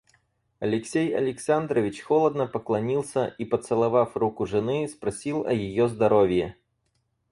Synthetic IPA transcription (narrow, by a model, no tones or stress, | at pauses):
ɐlʲɪksʲejɐ̰lʲɪksand̪ɾəvʲɪt͡ɕxɔlˠəd̪nəpəklˠɐnʲilˠsʲəʔipət̪sɨlˠɐvafrukʊʐɨnɨspɾɐsʲilˠɐjɪjozd̪ɐɾovʲjɛ